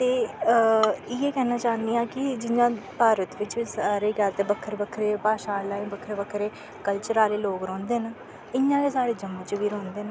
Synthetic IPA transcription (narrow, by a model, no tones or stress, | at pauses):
t̪eː | iːeːkɛːnaːt͡ʃaːnd̪iːãːkɪd͡ʒɪjãːpaːɾət̪ʋɪt͡ʃsaːɾeːɡəɾt̪eːbəkʰːəɾbəkʰːɾeːpaːʃaːlaːbəkʰːɾeːbəkʰɾeː | kəlt͡ʃəɾaːleːloːkɾɔ̃ːnd̪eːna | ɪɲːãːkeːsaːɾeːd͡ʒəmət͡ʃʋiːɾɔ̃ːnd̪eːn